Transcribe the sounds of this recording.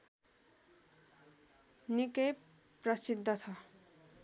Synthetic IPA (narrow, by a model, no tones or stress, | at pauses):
nikʌj | prʌsid̪ʱːʌt͡sʰʌ